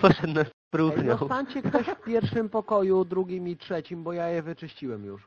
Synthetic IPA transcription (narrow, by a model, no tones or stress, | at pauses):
pɔʂɛd̪nɛspɾut̪ɲɔswt̪aɲt͡ɕɛkt̪ɔɕfpʲjɛɾfʂɘmpɔkɔjud̪ɾuɡʲimitʂɛt͡ɕimbɔjajɛvɘt͡ʂɘɕt͡ɕiwɛmjṵʂ